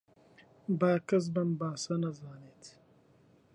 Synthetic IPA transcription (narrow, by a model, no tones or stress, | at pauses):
baːkɐz̬bɐmbaːsɐnɐzaːnet̪ʰ